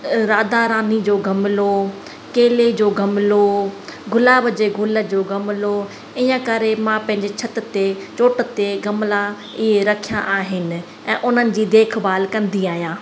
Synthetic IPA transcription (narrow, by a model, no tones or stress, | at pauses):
ɾaːd̪aɾaːnid͡ʑoːɡʱɐmɪlo | keːled͡ʑoːɡʱɐmloɡʊlaːbd͡ʑeːɡʱʊlə̆d͡ʑoːɡʱɐmɪlo | ɪ̃jə̃kɐɾemãpɐ̃ɦɪ̃ɲd͡ʑet͡ɕʰɐt̪t̪et͡ɕoːʈət̪eɡɐmla | ɪɦeɾɐkʰijãʔaːɦɪnɪ̆ | ɛ̃ːʔʊn̤ənɪ̆d͡ʑiːd̪eːkʰbaːlkɐ̃nd̪iaːɦijãː